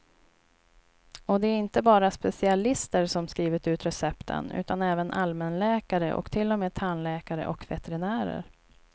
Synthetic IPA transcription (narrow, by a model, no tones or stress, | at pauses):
ɔd̪ɛæɾɪnt̪əbɑːɾaspɛsɪalɪst̪əɾʂɔmskɾiːvɪt̪ʉ̟ːt̪ɾɛsɛpt̪ʰə̰nʉ̟̰ːt̪anɛːvənʔalmɛnlɛːkaɾəʔɔ̰kt̪ʰɪlːɔmeːt̪ʰanlɛːkaɾə̰ʔɔkvɛt̪ɛɾɪnæːɾə̰ɾ